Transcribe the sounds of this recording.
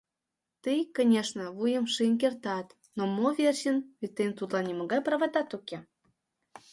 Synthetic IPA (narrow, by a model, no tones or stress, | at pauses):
t̪ɨjkonʲeʃnə̆βujə̆mʃɨnk̬ert̪ɑt̪ | nomovʲerʲɕənvit̪ːemt̪ut̪lɑnʲiməɣɑjprɑβɑt̪ɑt̪uke